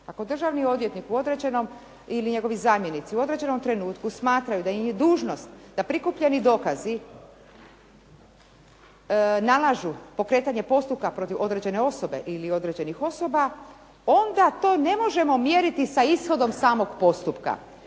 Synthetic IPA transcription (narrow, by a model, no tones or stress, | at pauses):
ako̞d̪r̩ʒaʋnio̞d̪ʋje̞t̪nikuo̞d̪ɾe̞d͡ʑe̞no̞m | iliɲe̞ɡo̞ʋizaːmje̞nit̪siuo̞d̪ɾe̞d͡ʑe̞no̞mt̪ɾe̞nuːt̪kusmaːt̪ɾajud̪aid̪uːʒno̞st̪d̪apɾikupʎe̞nid̪o̞kazi | nalˠaʒupo̞kɾe̞ːt̪aɲe̞po̞st̪up̚kapɾo̞t̪iʋʔo̞d̪ɾe̞d͡ʑe̞ne̞o̞so̞be̞̰ʔilio̞d̪ɾe̞d͡ʑe̞nixo̞so̞ba | o̞nd̪at̪o̞ːne̞mo̞ʒe̞mo̞mje̞ɾit̪isaisxo̞d̪o̞msaːmo̞ɡpo̞st̪upka̰